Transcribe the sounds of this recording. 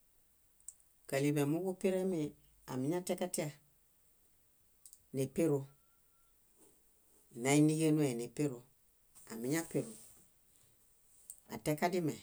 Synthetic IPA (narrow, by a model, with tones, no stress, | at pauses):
ka˨li˨be˨mu˦ɡu˦pi˦ɾe˦mi˨ | a̰˨mi˨˦ɲa˦te˦ka˦ti˦a˨ | ne˨pe˦ɾu˨ | na˨i˦ni˦ɡe˦nu˦e˨ne˨pe˦ɾu˨ | a̰˨mi˨ɲa˦pe˨ɾu˨ | a̰˨te˦ka˦di˦me˨